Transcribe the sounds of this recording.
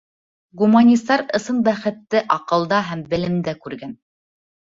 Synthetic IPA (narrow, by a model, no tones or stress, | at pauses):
ɡumanʲist̪ɑɾɤ̆sɤnbæχɘ̆t̪ːɘʔɑqɤ̆lˠd̪ɑɦæmbɘ̆lɘ̆md̪ækʉɾɡæn